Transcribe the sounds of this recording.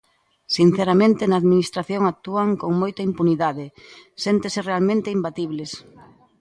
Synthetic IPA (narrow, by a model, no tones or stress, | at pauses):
sin̟θeɾamẽnt̪enaːðminist̪ɾaθjoŋak̚t̪uaŋkoŋmojt̪ɐimpuniðaðesent̪eserealmẽnt̪eimbat̪iβles